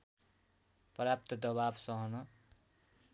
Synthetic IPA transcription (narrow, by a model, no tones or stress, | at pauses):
pʌɾap̚t̪ʌd̪ʌβabsʌɦʌnʌ